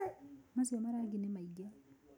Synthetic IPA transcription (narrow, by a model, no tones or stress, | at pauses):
masiɔmaɾaɡinemaiɡa